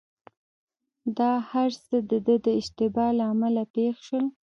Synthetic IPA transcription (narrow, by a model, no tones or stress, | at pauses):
d̪ɑhaɾsəd̪əd̪əd̪əɪʃt̪ɪbɑlaːmalapexʃwəl